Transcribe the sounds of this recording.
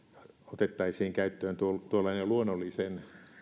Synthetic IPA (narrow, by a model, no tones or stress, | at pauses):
ɑot̪et̪ːɑisiːŋkæyt̪ːøːnt̪uolt̪uolːˑɑineluonːolːisen